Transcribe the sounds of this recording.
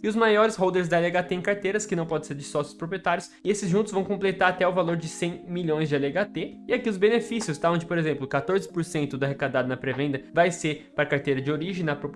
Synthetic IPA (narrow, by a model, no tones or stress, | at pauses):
ɪʊzmajɔɾɪshowd̪eɾzd̪ɐɛliaɡat̪eẽj̃kaɾt̪ejɾɐskɪnɐ̃w̃pɔd̪ẽseɾd͡ʒɪsɔsjʊ̥spɾopɾiet̪aɾjʊsɪesɪzʒũt̪ʊzvɐ̃w̃kõplet̪aɾat̪ɛʊvaloɾd͡ʒɪsẽj̃miʎõj̃zd͡ʒɪalaɡat̪eɪakiʊzbenefisiʊst̪aɐ̃d͡ʒɪpoɾezẽmplʊkat̪oɾzɪpoɾsẽnt̪ʊd̪ʊaɦekad̪ad̪ʊnɐpɾevẽnd̪ɐvajseɾpaɾɐkaɾt̪ejɾɐd͡ʒɪoɾiʒẽj̃nɐpɾop